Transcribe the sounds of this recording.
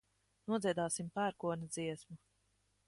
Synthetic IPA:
nuɔziɛd̪aːsimpæːɾkuɔnad̪ziɛsmu

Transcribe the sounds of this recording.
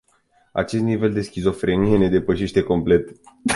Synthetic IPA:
a̰t͡ʃe̞st̪nive̞ld̪e̞skʲizo̞fɾenijene̞d̪e̞pəʃe̞ʃt̪e̞ko̞mple̞t̪

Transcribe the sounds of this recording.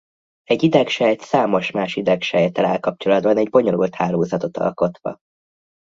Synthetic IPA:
ɛɟːid̪ɛkʃɛjt̪saːmo̞ʃmaːʃid̪ɛkʃɛjɛt̪ɛla̰ːlkɒpt͡ʃo̞lɒd̪bɒnɛɟbo̞ɲo̞lṵlt̪haːloːzɒt̪o̞t̪ɒ̰lko̞t̪ʋɒ̰

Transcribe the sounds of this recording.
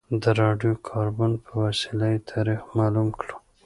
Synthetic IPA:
d̪əɾɑɖjokʰɑɾbʊnpʰəwasilajt̪ʰɑɾixmɑlumklu̥

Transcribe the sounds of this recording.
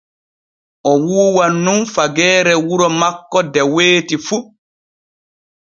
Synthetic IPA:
ʔɔwuːwanːumfaɡɛːɾɛwuɾɔmakːɔdɛweːtifu

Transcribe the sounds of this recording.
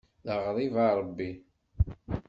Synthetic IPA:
ðəʁɾˤivɑɾˤəbːi

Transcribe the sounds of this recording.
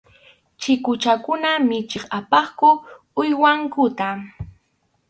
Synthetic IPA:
t͡ʃɪkʊt͡ʃakʊnamɪt͡ʃɪχapɑχkʊ | ʊjwaŋkʊt̪a

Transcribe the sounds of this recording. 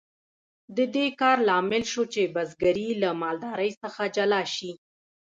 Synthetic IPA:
d̪əd̪ekɑɾlɑmɪlʃot͡ʃebazɡaɾilamɑld̪ɑɾəjsəxad͡ʒalɑʃi

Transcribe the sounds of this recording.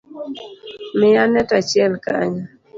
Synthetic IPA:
mɪjanɛtat͡ʃjɛlka̰ɲa

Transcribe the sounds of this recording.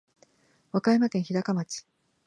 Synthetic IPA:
βakaimakẽ̞ɰ̃çiɾakamat͡ɕi̥

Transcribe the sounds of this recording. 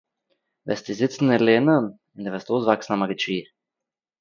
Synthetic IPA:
vɛ̰st̪izɪt̪sn̩ileːnən | ɪnd̪ɛvɛst̪oːzvaksnamaɡit͡ʃiː

